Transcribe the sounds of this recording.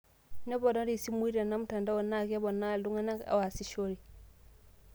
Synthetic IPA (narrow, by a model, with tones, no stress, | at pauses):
ne˦bo˨da˦ɾi˦˨si˦mu˦i˦ɾa˨na˦m˦ta˨nda˦wo˨na˦˨ka˦bo˨na˦˨du˦ŋa˦na˦ka̰˨wa˨si˦ʃo˦ɾi˨